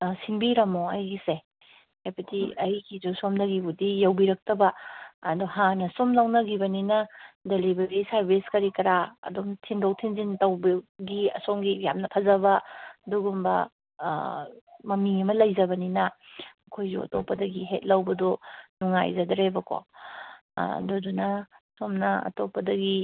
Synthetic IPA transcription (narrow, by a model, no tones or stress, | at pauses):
sinbiɾɐmoɐjɡise | hapʰɐtʰiɐjɡizusomnɐɡibudijɐwbiɾɐk̚tɐbɐːdɔɦanɐsomlɐwnɐɡibɐninɐdelibɐɡisaɾbiskɐɾikɐɾaɐ̰duŋtʰindowtʰinzintɐwbɐɡiɐ̰soŋɡija̰mnɐpʰɐzɐbɐduɡumbɐ̰ | mɐmiɐmɐlɐjzɐbɐninɐɐkʰojzṵɐ̰to̰pːɐdɐɡiɦet̚lɐwbɐdɔnuŋa̰jzɐdɾebɐko̰ | dɔdunɐsomnɐɐ̰topːɐdɐɡi